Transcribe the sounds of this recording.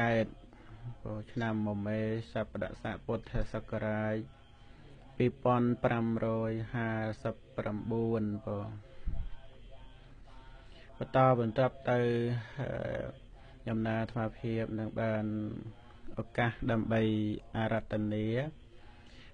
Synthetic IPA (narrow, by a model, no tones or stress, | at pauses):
kaɛt̪̚ | pɔt͡ɕʰnamːɔmeːsapːaɗa̰ʔsaːʔpʊt̪ʰːasəkːaɾaːj | piːpŏənprʔamrɔːjhaːsəpːramɓuənpɔ | pət̪ɑːɓɑnt̪ŏəp̚t̪ɨwə̰ | ɲɑmnaːt̪ʰmaːpʰiəp̚nɨŋɓaːn | ʔɔkahɗaəmɓəjʔaːɾat̪ːaniə